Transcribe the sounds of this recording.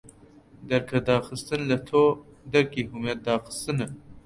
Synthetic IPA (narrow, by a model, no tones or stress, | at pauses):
d̪ɐɾkʰɐd̪ɑːxɨst̪ɨnlɐt̪ʰoːd̪ɐɾkiːɦumet̪̚d̪ɑːxɨ̥st̪ɨnɨ